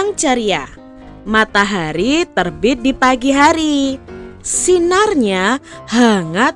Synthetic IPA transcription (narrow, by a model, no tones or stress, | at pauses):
ŋt͡ʃaɾia | mat̪aɦaɾit̪ərbɪt̪̚dipaɡiɦaɾi | sinarɲahaŋat